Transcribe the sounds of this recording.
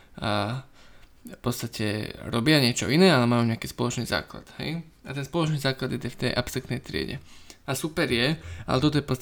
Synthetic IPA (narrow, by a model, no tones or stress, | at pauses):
fpɔtt͡sst̪acʰɛ̰ɾɔbɪaɲɪɛt͡ʃɔ̰inɛːalɛmajuːɲɛakiːspɔlɔt͡ʃniːza̰ːkla̰t̪hɛ̰j | at̪ɛnspɔlɔt͡ʃniːzaːklad̪id̪ɛft̪ɛjʔapsɾakt̪nɛjt̪ɾɪɛ̰ɟɛ̰asupɛɾjɛa̰lɛt̪ɔt̪ɔjɛpɔt͡st̪